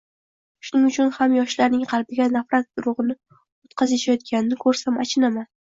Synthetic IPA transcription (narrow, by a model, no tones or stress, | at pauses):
ʃʊnɪŋʊt͡ʃʰʊnhamjɒʃlaɾnɪŋqʰɑlˠbɪɡʲanafɾat̪̚d̪ʊɾʊʁɨnɪ | ot̪qʰɑzjeʃajɒt̪̚kʲʰanɪnɪkʰɵɾsamat͡ʃʰɪnaman